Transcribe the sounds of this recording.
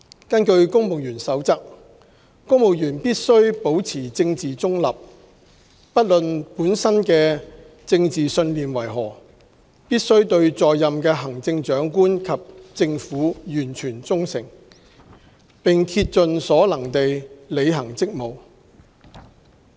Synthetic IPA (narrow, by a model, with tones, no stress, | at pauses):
kɐ˥nkɵ˧ɥkʊ˥ŋmo˨wjyː˨˩nsɐ˨˥wt͡sɐ˥k̚ | kʊ˥ŋmo˨˩wjyː˨˩npiː˥t̚sɵ˥ɥpo˨˥wt͡sʰiː˨˩t͡sɪ˧ŋt͡siː˨t͡sʊ˥ŋlɐ˨p̚ | pɐ˥t̚lɵ˨npuː˨˥nsɐ˥nkɛː˧ | t͡sɪ˧ŋt͡siː˨˩sɵ˧nliː˨nwɐ˨˩jɦɔː˨˩ | piː˥t̚sɵ˥ɥt̪ɵ˧ɥt͡sɔː˨jːɐ˨mkɛː˧ɦɐ˨˩ŋt͡sɪ˧ŋt͡ʃœː˨˥ŋkuː˥nkʰɐ˨p̚t͡sɪ˧ŋfuː˨˥jyː˨˩nt͡ʃʰyː˨˩nt͡sʊ˥ŋsɪ̰˨˩ŋ | pɪ˨ŋt̪ʰi˧t̚t͡ʃɵ˨˧nsɔː˨˥lɐ˨˩ŋt̪e˨jle˨˧jɦɐ˨˩ŋt͡sɪ˥k̚mo˨˧w